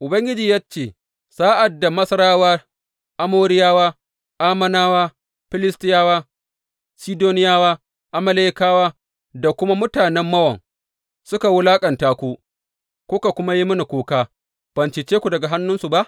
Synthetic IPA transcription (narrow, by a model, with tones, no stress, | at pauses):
ʔʊ˨bɐ˦ŋɡʲɪ˦d͡ʒiː˨ja˦t͡ʃeː˨ | saː˦ʔa˨dːa˨mɐ˦sɐ˦ɾaː˦waː˦ | ʔa˦moː˦ɾɪ˦jaː˦waː˦ | ʔaː˦mɐ˦naː˦waː˦ | ɸɪ˦lɪ˦stɪ˦jaː˦waː˦ | siː˦doː˦nɪ˦jaː˦waː˦ | ʔa˨mɐ˦leː˦kaː˦waː˦ | da˨kʷʊ˦ma˦mʊ˦taː˨nɛ˦mːɐ˦wɐ˨ŋ | sʊ˦ka˨wʊ˦laː˦kʼɐ˨ntaː˦kʷuː˦ | kʷʊ˦ka˨kʷʊ˦ma˦ji˦mʊ˦ni˨kʷoː˦kaː˦ | b̥ɐ˨nt͡ʃɪ˨t͡ʃeː˦kʷu˨dɐ˨ɡa˨ɦa˦nːʊ˦nsu˨ba˦ʔ